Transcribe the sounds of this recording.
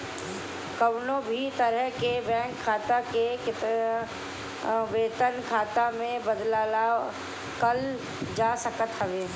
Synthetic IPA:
kəʋnõbʱit̪əɾəɦkebɛ̃ːŋkʰːaːt̪akekɪt̪ | ʋeːt̪ənkʰaːt̪amẽbəd̪laːla | kɐl | d͡ʒaːsəkət̪ɦəʋeː

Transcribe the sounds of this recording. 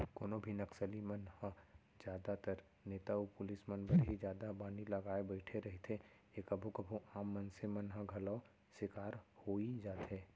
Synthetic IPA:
koːnobʱinɐksəlimɐnhə̃ | d͡ʒjaːd̪at̪əɾ | neːt̪aupʊlɪsmɐnbəɾɦid͡ʒjaːd̪abaːnilɐɡaːebəɪʈʰeɾɐɦet̪ʰe | ekɐbʱukɐbʱuʔaːmːɐnsemɐnɦəɡʱɐlɔː | sɪkaːɾhoːid͡ʒaːt̪ɦeː

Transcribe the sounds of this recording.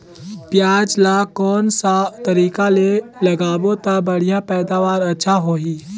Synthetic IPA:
pjaːd͡ʒlakɔːnsat̪əɾiːkalelɐɡaːbõt̪abəɽ̤ijãpɛːd̪aːʋaːɾɐtːʃʰaɦoːɦiː

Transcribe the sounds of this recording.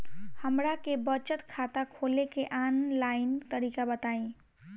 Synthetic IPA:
həmɾakebət͡ʃət̪kʰat̪akʰolekeʔanlaɪnt̪əɾikabət̪aĩ

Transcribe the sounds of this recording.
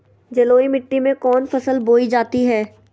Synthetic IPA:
d͡ʒɐloːimɪʈːimẽkɔːnfɐsəlboːid͡ʒaːt̪iɦɛː

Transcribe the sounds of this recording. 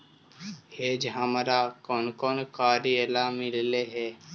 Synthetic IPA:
heːd͡ʒɦəmɾakoːnkoːnkaːɾielamɪlleɦɛː

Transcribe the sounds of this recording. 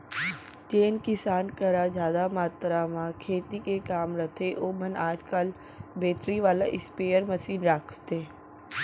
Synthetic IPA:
t͡ʃeːnkɪsaːnkəɾad͡ʒjaːd̪amaːt̪ɾamãkʰeːt̪ikekaːmɾɐt̪ʰeʔoːmənaːd͡ʒkəl | beːt̪ɾiʋaːlaʔɪspeːjəɾmɐsiːnɾaːkʰt̪eː

